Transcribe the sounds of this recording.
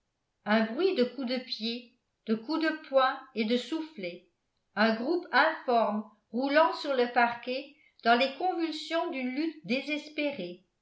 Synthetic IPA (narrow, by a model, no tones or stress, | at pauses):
ɛ̃bʁɥid̪əkud̪əpje | d̪̥əkud̪əpʰwɛ̃ed̪əsuflɛ | ɛ̃ɡʁupɛ̃fɔʁm | ʁulɑ̃syʁləpaʁke | d̪̥ɑ̃lekɔ̃vylsjɔ̃d̪ynlyt̪̚d̪ezɛspeʁe